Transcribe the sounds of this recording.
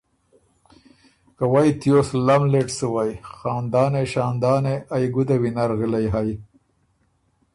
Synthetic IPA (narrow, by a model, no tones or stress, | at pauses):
kawajt̪joslamleʈsəwajxɑːnd̪ɑːneʃɑːnd̪ɑːneʔajɡud̪awinaɾɣilajɦaj